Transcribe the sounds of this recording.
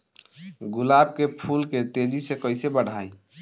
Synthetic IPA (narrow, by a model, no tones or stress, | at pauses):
ɡʊlab̚kepʰulket̪ed͡ʒisekəɪsebəɽ̤ʱaj